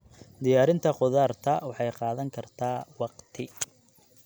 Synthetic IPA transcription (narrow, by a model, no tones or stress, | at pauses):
d̪ɪjaːɾɪnt̪ʰɐqʊðaːrt̪ʰɐwɑħɑjqɑːðɐŋkʰɐrt̪ʰaːwɑqt̪ʰɪ